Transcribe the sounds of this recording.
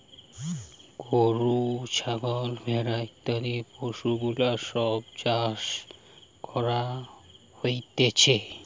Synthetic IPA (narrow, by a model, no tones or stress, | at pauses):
ɡoɾut͡ʃʰaɡɔlmʱeɾajt̪ːaɾipoʃuɡulaʃɔbd͡ʑaʃ | kɔɾa | hojt̪et͡ɕʰe